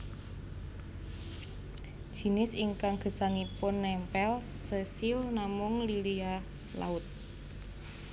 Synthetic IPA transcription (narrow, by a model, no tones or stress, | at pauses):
d̥ʒ̥i̤nɪsiŋkaŋɡ̥ə̤saŋipʊnːɛmpɛlsəsilnamʊŋlilia | la̰ʊt̪̚